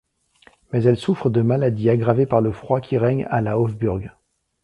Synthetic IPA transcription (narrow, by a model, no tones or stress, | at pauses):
mɛzɛlsufχəd̪əmalad̪iaɡʁavepaʁləfχwakʲiʁɛɲa̰laɔvbyʁɡ